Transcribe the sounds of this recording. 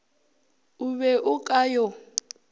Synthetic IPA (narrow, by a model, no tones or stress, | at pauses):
uβɛʔukʼajɔ